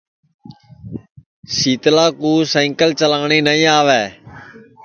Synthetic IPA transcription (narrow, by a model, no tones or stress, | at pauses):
siːt̪laːkuːsẽːŋkəlt͡ʃəlãːɳiːnəĩːaːʋɛː